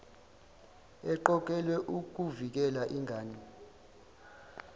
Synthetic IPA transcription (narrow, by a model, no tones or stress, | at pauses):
ɛǃɔk̬ʼɛlwɛʔuk̬uvik̬ɛlaʔiŋʱaːni